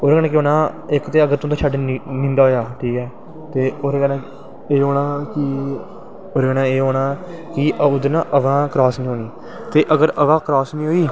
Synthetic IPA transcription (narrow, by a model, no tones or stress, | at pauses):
oːɾkɛːnãːkɪɦoːnãːɪkt̪eːəɡəɾt̪õːd̪aːt͡ʃʰaɖnĩːnd̪aːɦoːjaːʈʰiːkɛː | t̪eːoːɾkɛːnãː | eːɦoːnaːkɪ | oːɾkɛːnãːeːɦoːɽaːkɪʔʊd̪əɾnãːʔəʋãːkɾɔːsnĩɦoːniː | t̪eːʔəɡəɾəʋãːkɾɔːsnĩːɦoːiː